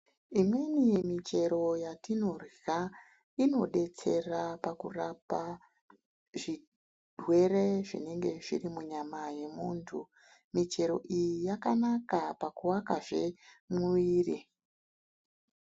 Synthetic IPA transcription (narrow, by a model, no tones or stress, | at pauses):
imwe̞nijemit͡ʃe̞ɾo̞jatino̞ra | ino̞ɗe̞t͡se̞rapakurapa | ʐi | dwe̞re̞ʐḭne̞ŋɡe̞ʐirimuɲamaje̞muːntʰu | mit͡ʃe̞ɾo̞̰ʔijijakanakapakuwakaʐe̞mwwiːri